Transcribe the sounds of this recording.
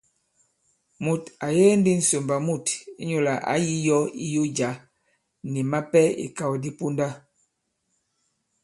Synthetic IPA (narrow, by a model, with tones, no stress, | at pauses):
mu˨ta˨jɛː˦n˦di˦n̩˨so˨mba˨mu˦˨ti˦ɲo˦la˨ʔa̰˨˦ji˦jɔ˦i˦jo˦d͡ʒa˨˦ | ni˨ma˦pɛ˦ḭ˨ka˦wdi˦pu˦nda˦